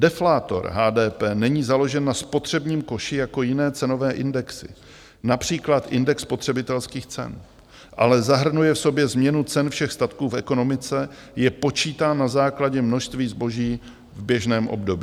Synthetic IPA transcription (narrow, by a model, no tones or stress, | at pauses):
dɛflaːt̪o̞̰ɾɦaːdɛːpɛːnɛɲiːzalo̞ʒɛnːaspo̞t̪r̝̥ɛbɲiːmko̞ʃɪjako̞jɪnɛːt͡sɛno̞vɛːʔɪndɛksɪ̰ | napr̝̥iːklat̪ʔɪndɛkspo̞t̪r̝̥ɛbɪt̪ɛlskiːxt͡sɛ̰n | ʔa̰lɛzaɦr̩nujɛfso̞bjɛzmɲɛnut͡sɛnfʃɛxst̪at̪kuːfɛko̞no̞mɪt͡sɛ | jɛpo̞t͡ʃiːt̪aːnazaːklaɟɛmno̞ʃst̪viːzbo̞ʒiː | vbjɛʒnɛːmʔo̞̰bdo̞bi